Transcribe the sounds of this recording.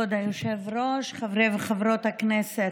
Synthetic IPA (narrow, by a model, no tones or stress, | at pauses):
od̪ajoʃevɾoʃχavɾevχavɾot̪aknɛse